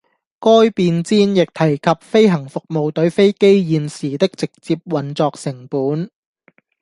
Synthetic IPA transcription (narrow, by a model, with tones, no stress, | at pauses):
kɔː˥jpiː˧nt͡siː˧˥njɪ˨k̚t̪ʰɐ˨˩jkʰɐ˨p̚fe˥jɦɐ˨˩ŋfʊ˨k̚mo˨˧wt̪ɵ˨˥ɥfe˥jke˥jjiː˨˧nsiː˨˩t̪ɪ˥k̚t͡sɪ˨k̚t͡siː˧p̚wɐ˨˩nt͡sɔː˨k̚sɪ˨˩ŋpuː˨˥n